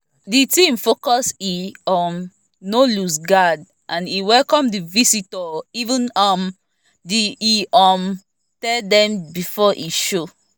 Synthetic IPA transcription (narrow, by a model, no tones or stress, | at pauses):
ditĩmfokɔsiɔm | nolusɡad | ʔãniwɛlkɔ̃mdivisitɔivũnɔm | diːɔm | tɛldɛ̃mbifɔʔiʃo